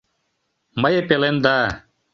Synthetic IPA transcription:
mɐjepelend̪a

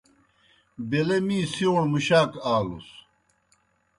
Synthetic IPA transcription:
belemiːsioɳmuɕaːkaːlṵs

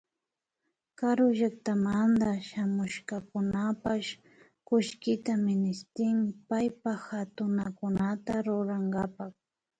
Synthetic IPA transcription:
kaɾʊʒakt̪amand̪aʃamʊʃkakʊnapaʃ | kʊʃkɪt̪amɪnɪst̪ɪmɪpajpaxat̪ʊnakʊnat̪aɾʊɾaŋɡapak

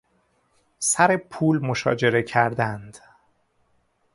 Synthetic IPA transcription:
sæɾe̞pʰuːlmo̞ʃɒ̰ːd͡ʒe̞ɾe̞cʰæɾd̪ænd̪̥

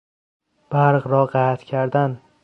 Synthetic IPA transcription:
b̥aɾʁɾɒɢaat̪kʲʰaɾd̪an

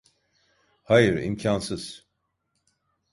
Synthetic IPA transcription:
hajɯɾḭmcʰansɯz̥

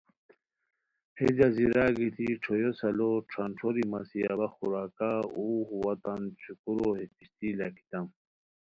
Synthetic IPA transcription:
hed͡ʑaziɾaɡit̪ʰiʈ͡ʂʰojosaloʈ͡ʂʰanʈ͡ʂʰoɾimasiabaxuɾaːkauɦuwat̪ant͡ɕʰukuɾohit̪ist̪ilaki̥t̪am

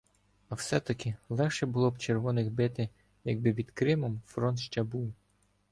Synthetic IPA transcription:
ɐwsɛt̪ɐkɪlˠɛxʃɛbʊlˠɔbt͡ʃerʋɔnɪxbɪt̪ɪ | jɐɡ̚bɪpʲid̪̥kɾɪmɔmfɾɔnt̪ʃt͡ʃɛbuw

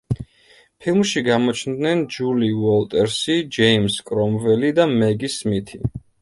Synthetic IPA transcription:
pʰilˠmʃiɡamɔt͡ʃʰnd̪nɛnd͡ʒuliwɔlˠt̪ʼɛɾsid͡ʒɛimskʼɾɔmvɛlid̪amɛɡismit̪ʰi

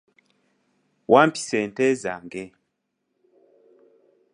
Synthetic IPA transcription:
wʔampi̥sɛntɛza̰ŋɡɛ

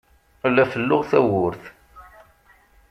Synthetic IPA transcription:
lːæfəlːʊʁθæwʊɾθ

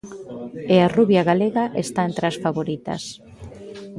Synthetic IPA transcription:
earuβjaɣaleɣaʔest̪aent̪ɾasfaβoɾit̪ɐ̰s

